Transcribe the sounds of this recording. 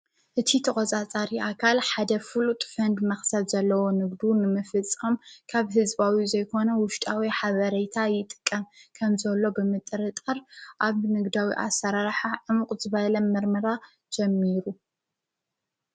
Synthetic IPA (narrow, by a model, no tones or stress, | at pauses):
ʔɨt̪ʰit̪ʰɐkʼot͡sʼat͡sʼaɾiʔakʰalħad̪ɐfɨlut̪ʼfɐnd̪mɐxsɐd̪zɐlːɐwonɨɡd̪unɨmɨfɨt͡sʼːɐmkʰaβɦɨzβawizɐjkʰo̞nɐwʊʃt̪ʼawiħaβɐɾɐjt̪ʰajɪt̪ʼɨ̥kʼːɐmkʰɐmzɐlːo̞bɨmɨt̪ʼɨɾɨt̪ʼɐɾʔaβnɨɡd̪awḭʔa̰sɐɾaɾħaʕɨmuqʼzɨβalɐmɨɾmɐɾa | d͡ʒɛmːiɾu